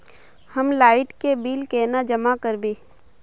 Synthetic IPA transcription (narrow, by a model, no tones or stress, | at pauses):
həmlaːɪʈkebiːlkɛːnad͡ʒəmakəɾbeː